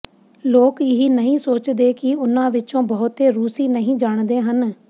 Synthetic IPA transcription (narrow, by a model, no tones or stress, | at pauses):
loːkɪɦiːnəɦĩːsoːt͡ʃd̪eːkɪʊnãːʋɪt͡ʃõːbɔːʊt̪eːɾuːsiːnəɦĩːd͡ʒaːɳd̪eːɦən